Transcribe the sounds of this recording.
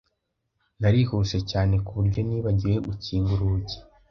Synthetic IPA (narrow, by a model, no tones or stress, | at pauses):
naɾihuʃe̞caːne̞kuβuɾɟo̞niːβaɟiɾe̞ʔuciːɡuɾuce̥